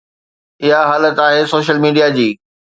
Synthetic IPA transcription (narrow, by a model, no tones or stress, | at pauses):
ɪɦaɦaːlət̪aːɦeːsoːʃəlmiːɖijad͡ʑiː